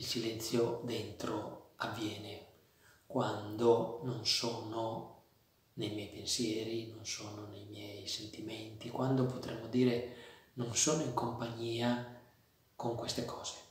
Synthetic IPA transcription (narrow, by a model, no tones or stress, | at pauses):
ilsilɛnt̪sjod̪ent̪ɾoavːjɛːne | kwand̪ononsoːno | nejmjɛjpensjɛːɾinonsoːnonejmjɛjsent̪iment̪ikwand̪opot̪ɾʔemːod̪iːɾenonsoːnoiŋkompaɲːiːa | koŋkwest̪ekʰɔːz̥e̥